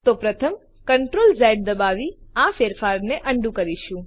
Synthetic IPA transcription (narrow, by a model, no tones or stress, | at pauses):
t̪opɾət̪ʰəm | kəɳʈɾolzɛɖ̚d̪əbaʋiafeɾfaɾneʔəɳɖũkəɾiʃũ